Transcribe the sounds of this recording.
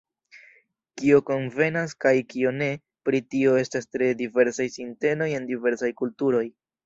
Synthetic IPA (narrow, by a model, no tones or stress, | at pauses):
kio̞ko̞nve̞naskajkio̞ne̞ | pɾitio̞e̞stastɾe̞dive̞ɾsajsinte̞no̞je̞ndive̞ɾsajkultuɾo̞j